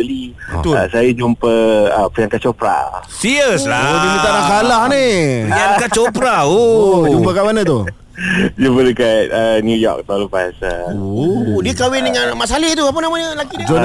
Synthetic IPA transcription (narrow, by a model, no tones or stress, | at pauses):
əli | ət̪asajad͡ʒumpəəpəjaŋkat͡ʃopɾa̰siɾjəslaodikit̪anakalahnijakat͡ʃopɾaod͡ʒumpəkaʔmanət̪u | d͡ʒumpədəkat̪̚ənjujɔ̰k̚t̪ãləpasaoodiəkawɪndəŋãnmasalit̪uap̬ənamaɲəlakid͡ʒon